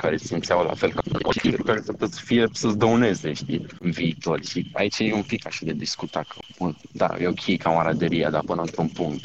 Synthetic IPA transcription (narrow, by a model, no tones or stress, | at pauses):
kaɾe̞simt̪sʲawla̰fe̞lkao̰it̪iukaɾesept̪ot̪sə̥fijesəzd̪əune̞zeʃt̪iɨnviːt̪o̞rʲʃia̰it͡ʃaeumpikaʃad̪ed̪iskut̪akʰəud̪a̰jeokʲʰejkʰamaɾad̪eɾijad̪apɨnəɨnt̪ɾunpuŋkt̪